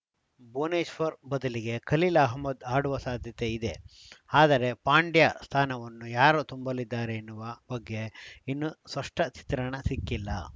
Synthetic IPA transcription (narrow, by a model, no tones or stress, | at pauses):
boːneːʃʋɐɾbɐd̪ɐliɡe̞kɐlilɐːɦmɐd̪aːɽuʋɐsaːd̪ʱjɐt̪e̞id̪e̞ | aːd̪ɐɾe̞paːɳɖjast̪ʰaːnɐʋɐnːujaːɾut̪umbɐlid̪ːaːɾeːnːuʋɐbɐɡːe̞inːuspɐʂʈɐt͡ʃi̥t̪ɾɐɳɐsikːilːɐ̰